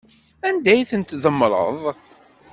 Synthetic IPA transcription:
ænd̪æjθənt̪ðəmːɾˤə̰ðˤ

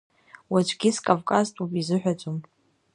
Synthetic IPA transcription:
wat͡ʃʷʰɡʲɪskʼovkʼaztʼupʼizɨħᶣad͡ʒʷʼom

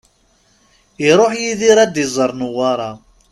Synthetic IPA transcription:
iɾˤoħjiðiɾæd̪izˤəɾˤnʊwɑɾˤɑ

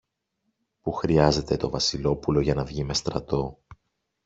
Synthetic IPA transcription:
puxɾiɐze̞t̪e̞t̪o̞vɐsilo̞pulo̞ʝɐnɐvʝime̞st̪ɾɐt̪o̞

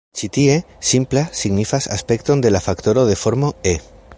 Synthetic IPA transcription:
t͡ʃit̪ie̞ | simplasiɣnifasa̰spe̞kt̪ond̪e̞lafakt̪oɾoðe̞fo̞ɾmoe

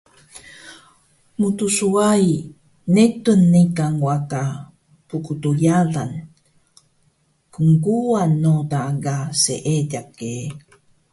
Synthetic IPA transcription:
mutusuaj | netunːikaŋwaka | pukutujaɮan | kəŋɡuanːodaɡasḛʔeɟake

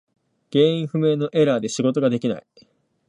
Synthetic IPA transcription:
ɡ̥e̞ːĩɰ̃ɸɯ̟me̞ːno̞ʔe̞ɾaːd̪e̞ɕiɡo̞t̪o̞ɡad̪e̞kʲina̰i

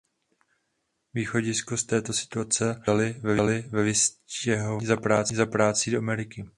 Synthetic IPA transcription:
viːxo̞ɟɪskost̪ɛːt̪o̞sɪ̥t̪uat͡sɛalɪvɛvlɪvɛvɪscɛɦovzapɾaːt͡sɪzapɾaːt͡sidoʔamɛɾɪkɪ

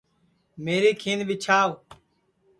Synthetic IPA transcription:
meːɾiːkʰiːnbit͡ʃʰaːʋ

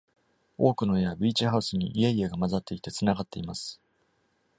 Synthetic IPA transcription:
o̞ːkɯ̟no̞ejabʲiːt͡ɕihaɯ̟sɨɲ̟ḭʔieieɡamazat̪ːe̞it̪e̞t͡sɨnaɡat̪ːe̞imasɨ̥

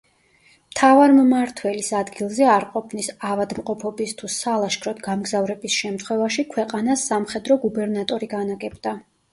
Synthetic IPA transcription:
mt̪ʰavaɾmmaɾt̪ʰwɛlisad̪ɡilˠzɛaɾqʼɔpʰnisavad̪mqʼɔpʰɔbist̪ʰusalˠaʃkʰɾɔt̪ʰɡamɡzavɾɛbisʃɛmt̪ʰχwɛvaʃikʰwɛqʼanasːamχɛd̪ɾɔɡubɛɾnat̪ʼɔɾiɡanaɡɛbd̪a

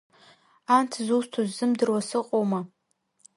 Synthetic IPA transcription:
antʰzustʰozːɨmdɨrwasɨqʼoma

